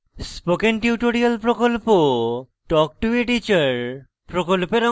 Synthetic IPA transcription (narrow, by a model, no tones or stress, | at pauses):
spokenʈiuʈoɾialpɾokolpo | ʈɔk̚ʈueʈit͡ɕaɾ | pɾokolpeɾɔ